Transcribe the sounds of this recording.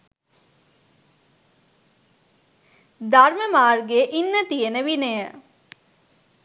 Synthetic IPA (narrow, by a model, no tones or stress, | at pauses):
d̪aɾməmaːrɡeʔinːət̪ijənəʋinəjə